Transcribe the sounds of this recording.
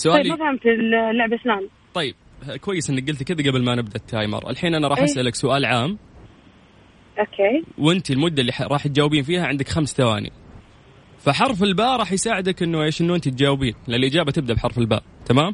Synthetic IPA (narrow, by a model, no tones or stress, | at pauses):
sʊʔaːlmafahamt̪ɪllːʊʕbʔɪslaːm | t̪ˤɑjːɪb̥̚kwajːɪsʔɪnːak̚ɡɪlt̪kɪd̪aɡablmanɪb̚d̪aʔt̪ːaːjmɑ̰ɾˤʔa̰lħiːnʔanaɾˤɑːħʔasʔalaksʊʔaːlʕaːm | ʔokʰeːwʔɪnt̪ilmʊd̪ːalːiɾˤɑːħt̪̚d͡ʒaːwːbiːnfiːhaʕɪnd̪akxamst̪awa̰ːnḭ | faħɑɾˤfɪlbaːʔɾˤɑːħjsaːʕɪd̪akʔɪnːueːʃʔɪnːuʔɪnt̪it̪̚d͡ʒaːwbiːnlɪlʔɪd͡ʒaːbat̪ɪb̚d̪aʔbħɑɾˤfɪlba̰ːʔt̪amaːm